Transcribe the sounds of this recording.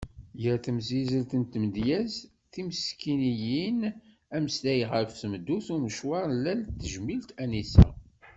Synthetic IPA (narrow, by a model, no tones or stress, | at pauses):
jəɾθəmzizəlt̪ənt̪məd̪jæz | θiməskinijin | æməslæjʁəɾfθəmd̪ːuθuməʃwɑɾˤlːælt̪ːəʒmilt̪ænisæ̰